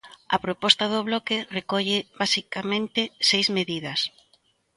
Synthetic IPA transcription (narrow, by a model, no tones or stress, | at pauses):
ɐ̰pɾopɔst̪ɐðʊβ̞lɔkɪrekɔʎɪβasikamẽnt̪ɪsejzmeðiðɐs